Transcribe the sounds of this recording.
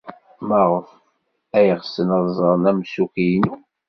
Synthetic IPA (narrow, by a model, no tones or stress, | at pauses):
məʁəf | æjəʁsənəðˤzˤəɾˤnæmsukijnu